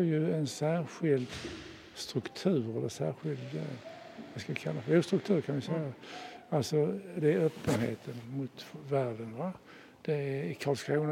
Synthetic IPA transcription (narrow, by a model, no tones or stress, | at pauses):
æjɵɛnsæːɾɧɪld̪ | st̪ɾɵkt̪ʰʉ̟ːɾɛlːəsæːɾɧɪld̪ | vaskakʰalːafəɾɛst̪ɾɵk̚t̪ʰʉ̟ːɾkʰanɪsɛj | alsɔd̪ɛæɾøːpːənhḛːt̪ʰənmʊt̪væːɖənva | d̪̥ɛækʰɑːlskʰɾuːn